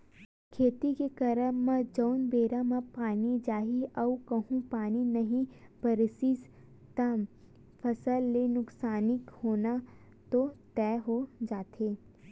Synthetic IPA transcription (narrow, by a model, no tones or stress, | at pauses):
kʰeːt̪ikekɐɾəːə̃d͡ʒəʊnbeːɾamãpaːnid͡ʒaːɦiɐukɐɦũpaːninɐɦĩbɐɾsiːs | t̪am | pʰɐsəlːenʊksaːnɪkhoːna | t̪ot̪ɛːɦod͡ʒaːt̪ʰeː